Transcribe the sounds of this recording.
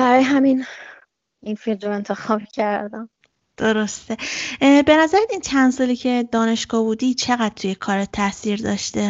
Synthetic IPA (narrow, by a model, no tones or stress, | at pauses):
b̥æɾɒːjeɦæmin | infilɾoe̞nt̪ʰe̞xɒːbcʰæɾd̪æm | d̪̥oɾost̪e̞be̞næzæɾæmint̪ʰænsulicʰe̞d̪ɒːne̞ʃɡ̥ɒːbuːd̪iːt͡ʃʰe̞ɣæd̪̥̚t̪ʰuje̞kʰɒːɾet̪ʰæsiːɾd̪ɒːʃt̪e